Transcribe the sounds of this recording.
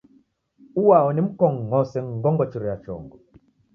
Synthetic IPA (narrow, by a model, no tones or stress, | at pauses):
uwaɔnim̩kɔŋːɔsɛŋɡɔŋɡɔt͡ʃiɾɔjat͡ʃɔ̰ŋɡɔ